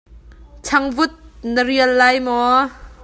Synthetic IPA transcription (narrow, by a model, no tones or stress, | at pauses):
t͡sʰɐŋvʊt̪̚nəɾiəlːɐjmɔ